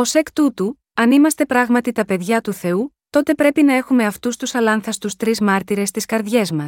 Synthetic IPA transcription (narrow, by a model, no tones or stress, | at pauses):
o̞se̞kt̪ut̪u | ɐnimɐst̪e̞pɾɐɣmɐt̪it̪ɐpe̞ðʝɐt̪uθe̞u | t̪o̞t̪e̞pɾe̞pinɐe̞xume̞ɐft̪ust̪usɐlɐnθɐst̪ust̪ɾizmɐɾt̪iɾe̞st̪iskɐɾðʝe̞zmɐs